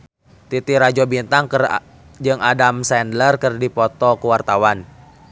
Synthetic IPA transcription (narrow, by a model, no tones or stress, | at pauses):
t̪it̪iɾad͡ʒɔbint̪aŋk | d͡ʒɨŋadamsɛndlərkərdipɔt̪ɔkuwart̪awan